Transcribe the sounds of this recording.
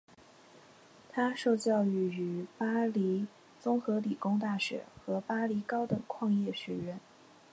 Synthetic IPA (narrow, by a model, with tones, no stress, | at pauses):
t̪ʰa˥ʂo˥˧ʊt͡ɕjɑ˥˧ʊy˧˥˩y˨˩pa˥li˧˥ | t͡sʊ˥ŋxɤ˧˥li˨˩kʊ˥ŋt̪̬a˥˩ɕɥɛ̰˨˩˦xɤ˧˥pa˥li˧˥kɑ˥ʊd̪ə˨˩kʰwɑ˥˧ŋjɛ˥˩ɕɥɛ˧˥ɥɛ˧˥n